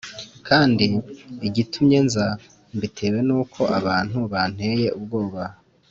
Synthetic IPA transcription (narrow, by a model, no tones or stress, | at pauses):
kʰaːndiːɟitʰumɲe̞nza | mbitʰe̞we̞nuːkʰo̞ʔaβaːn̥huβan̥e̞je̞ʔub̚ɡo̞ːβa